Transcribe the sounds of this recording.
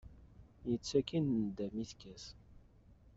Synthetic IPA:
jət͡sːækinnəd̪æmiθkæs

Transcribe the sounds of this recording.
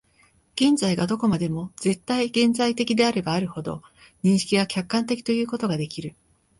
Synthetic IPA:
ɡ̥ẽ̞nzaiɡad̪o̞ko̞mad̪e̞mo̞ze̞t̪ːaiɡẽ̞nd͡zait̪e̞kʲid̪e̞aɾe̞baːɾɯ̟ho̞d̪o̞̰ | ɲ̟ĩɰ̃ɕi̥kʲiɡakʲakːãnt̪e̞kʲi̥t̪o̞jɯ̟ːko̞t̪o̞ɡad̪e̞kʲiɾɯ̟

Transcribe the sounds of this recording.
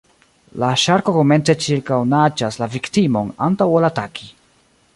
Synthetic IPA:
laʃaɾko̞ko̞me̞nt͡se̞t͡ʃiɾkawnat͡ʃaslaviktimo̞nantawolatakʰi

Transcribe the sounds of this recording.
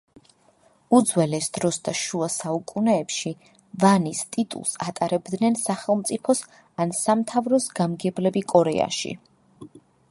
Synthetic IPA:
ud̪zwɛlɛsd̪̥ɾɔsd̪aʃuasaukʼunɛːpʃi | vanist̪ʼit̪ʼṵlˠsat̪ʼaɾɛbd̪nɛnsaχɛlˠmt̪sʼipʰɔs | ansamt̪ʰavɾɔsɡamɡɛblɛbikʼɔɾɛa̰ʃḭ

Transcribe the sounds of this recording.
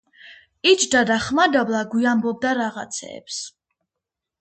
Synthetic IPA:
it͡ʃʰd̪ad̪aχmad̪ablˠaɡwiambɔb̚d̪aɾaʁa̰t̪sʰɛ̰ːps

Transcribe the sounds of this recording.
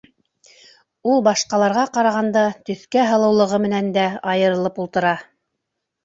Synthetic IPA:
ulˠbɑʃqɑlˠɑɾʁɑqɑɾɑʁɑnd̪ɑt̪ɵ̆θkæɦɤ̆lˠɤ̆wlˠɤ̆ʁɤmɘ̆nænd̪æɑjɤ̆ɾɤ̆lˠɤpulˠt̪ɤ̆ɾɑ

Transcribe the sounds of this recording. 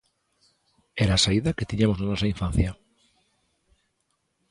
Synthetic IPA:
eɾaːsaiðaket̪iɲamonanɔsaiɱfãnθja

